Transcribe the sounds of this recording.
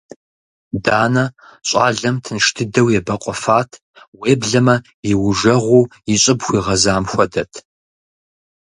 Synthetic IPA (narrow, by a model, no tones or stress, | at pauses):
daːnɐɕʷʼɑːɮɐmtʰɨnʂtʰɨdɐwjɛbɐqʷʼɔfaːtʰ | weːbɮɐmɐ | jɪwʊʒɐʁʷuːjɪɕʼɨbxʷiːʁɐzaːmxʷɔdɐtʰ